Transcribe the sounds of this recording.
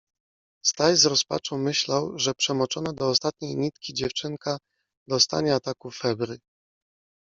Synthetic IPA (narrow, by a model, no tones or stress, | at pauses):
st̪ajzɾɔspa̰t͡ʂɔ̃w̃mɘɕlawʐɛpʂɛmɔt͡ʂɔnad̪ɔːst̪at̪̚ɲejɲit̪kʲid͡ʑɛft͡ʂɘŋka | d̪ɔst̪a̰ɲɛat̪akufːɛbɾɘ